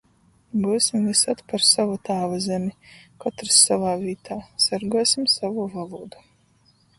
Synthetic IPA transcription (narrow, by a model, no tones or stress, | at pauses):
busʲimvisat̪paɾsavut̪aːvazɛmʲikat̪ɾsːavaːvʲiːt̪ʰaːsaɾɡuɔsimsavuːvalˠuːd̪u̥